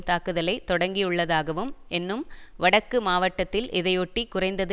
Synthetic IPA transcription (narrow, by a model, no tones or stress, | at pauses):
t̪aːkɯðɐlɐɪt̪ːɔɽɐŋɡijɯɭːɐðaːɣɐʋɯmɛnːɯmʋɐɽɐkːɯmaːʋɐʈːɐt̪ːɪlʔɪðɐjɔʈːikːʊrɐɪnd̪ɐðɯ